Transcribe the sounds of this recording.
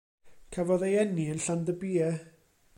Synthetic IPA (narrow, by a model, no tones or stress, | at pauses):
kʰɛvɔðejɛniənɬandəbiːɛ